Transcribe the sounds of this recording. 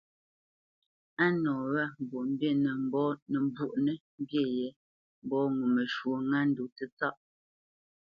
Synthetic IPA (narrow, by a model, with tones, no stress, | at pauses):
a˦nɔː˨wa˦˨m̩˨bu˨m̩˦bje˦˨nɛ˨m̩˦bɔ˦nə˨m˨bu˦˨ʔnɛ˦m̩˦bje˦˨je˨˦ | m̩˦bɔ˦ŋu˨mə˨ʃwo˨˦ŋa˦n̩˦du˨tə˦t͡sa˦ʔ